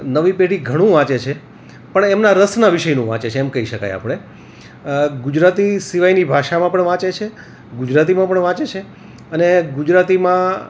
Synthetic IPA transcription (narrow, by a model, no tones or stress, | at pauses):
nəʋipeɽiɡʱəɽ̃ũʋãt͡ʃet͡ʃʰe | pəɳemnaɾəsnaʋɪʃəjnũʋã̰t͡ʃet͡ʃʰeːmkəiʃəka̰ja̰pəɽ̃e | ɡud͡ʒɾat̪isiʋajnibʱaʃamãpəɳʋãt͡ʃet͡ʃʰe | ɡud͡ʒɾat̪̬imãpəɳʋãt͡ʃet͡ʃʰe | əneɡud͡ʒɾat̪imã